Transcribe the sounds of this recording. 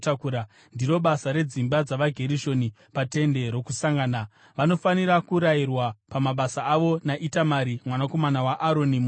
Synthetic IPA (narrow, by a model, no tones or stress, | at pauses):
takuɾa | ndiɾo̞ɓasaɾe̞d͡zimbad͡zaʋaɡʱe̞ɾiʃo̞ni | pate̞nde̞ɾo̞kusaŋɡaːna | ʋano̞faniɾakuɾajirwapamaɓasaːʋo̞naʔitamaɾimwanako̞manawaʔaɾo̞nim